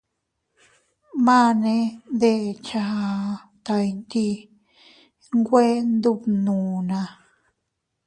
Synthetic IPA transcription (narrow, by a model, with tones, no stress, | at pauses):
mã˦nẽ˧˦ðe˧˨t͡ʃa˧a˧ | t̪a˧i˧nt̪i˧ | ŋɡʷe˦nd̪u˦˧pnũː˨nã˧